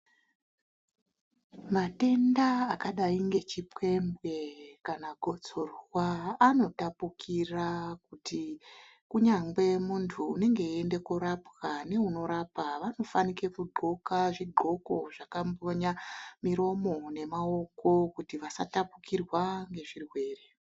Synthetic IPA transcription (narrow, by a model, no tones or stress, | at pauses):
mate̞ndaːkaɗaiŋɡe̞t͡ʃipwe̞mbwe̞kanaɡʱo̞t͡so̞rwaːno̞tapukʰirak̚uti | kuɲaŋɡe̞muntʰuːne̞ŋɡe̞ie̞nde̞kuɾapkane̞uno̞ɾapaʋano̞fanikekuɡ͡ǃʱo̞kaʐiɡ͡ǃʱo̞ko̞ʐakamboɲamiɾo̞mo̞ne̞mao̞ko̞kutiʋasa̰tapukirwaŋɡe̞ʐirwe̞ːre̞